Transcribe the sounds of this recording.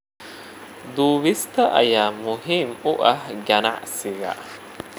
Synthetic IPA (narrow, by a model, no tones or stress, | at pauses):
d̪uːʋist̪aʔɐjamuɦimuʔɐhɡana̰ʔsiɡa̰ʔ